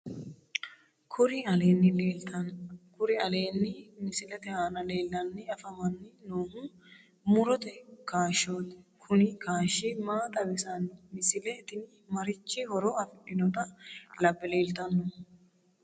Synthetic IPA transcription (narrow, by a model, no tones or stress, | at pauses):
kʰʊɾɪɐleːnːɪːɐkʊɾɪɐle̞ːnːɪmɪsɪlɛt̪ɛhaːnɐle̞ːlːɐnːɪɐfɐmɐnːɪnoːhʊ | mʊɾɔt̪ɛkaːʃoːt̪ɛ̥kʰʊnɪkaːʃiːmaːt̪ʼɐbɪsɐnmɪsɪlɛːt̪ɪni | mɐɾɪt͡ʃːihɔɾoːɐfɪᶑɪnɔt̪ɐlɐbːɪle̞ːlt̪ɐnːʊ